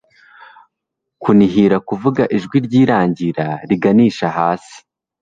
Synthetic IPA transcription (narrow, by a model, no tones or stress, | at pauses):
kuniɦiɾakuvuɡaʔiʒɡwiɾɟiːɾaːɲɟiɾaɾiɡaniːʃahaːsi̥